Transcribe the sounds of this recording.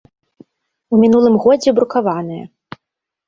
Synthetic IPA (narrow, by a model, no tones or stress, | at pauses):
umʲinulˠɨmɣɔd͡zʲɛbɾukavanɨjɐ̰